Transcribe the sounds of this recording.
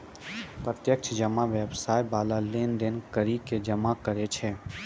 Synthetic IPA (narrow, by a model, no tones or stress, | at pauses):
pɾət̪jək̚t͡ʃʰd͡ʒəmaʋeːbsaːjbaːlaleːnd̪enkəɾiked͡ʒəmakəɾet͡ʃʰeː